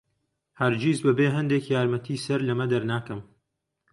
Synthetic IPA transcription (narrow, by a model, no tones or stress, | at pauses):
hɐɾd͡ʒiːzbɐbeːɦɐnd̪ekjaːɾmɐt̪ʰiːsɐɾlɐmɐd̪ɐɾnaːkɐm